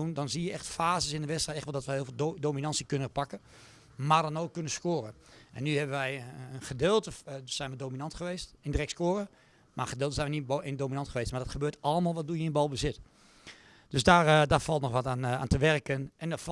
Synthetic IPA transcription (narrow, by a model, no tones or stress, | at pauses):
undɔnzijəɛxtfaːzəsɪndəʋɛstrɛjtɛxtʋɛlˠdɔtʋəɦɪːlˠvɪːlˠdominɑnsikønəpakə | mardɔnoːkːønəskoːrəʔɛ̰nːyɦɛbəʋɛjənχədɪːlˠtəsɛjnʋədoːminɑntχəʋeːstɪndərɛkskoːrə | maəxədɪːlˠtəzɛjnənitboɪndominɑntχəʋeːstmardɔtxəbøːtɔlˠəmalˠʋɔt̚dujəɪnbɔlˠbəzɪt | d̥øsdardafɑlˠtnɔxʋɔtana̰ːntəʋɛrkənɛndɔf